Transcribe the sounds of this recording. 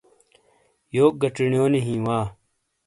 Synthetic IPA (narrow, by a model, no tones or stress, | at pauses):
joːk̚ɡɐʈ͡ʂiɳjoːneɦĩːwaː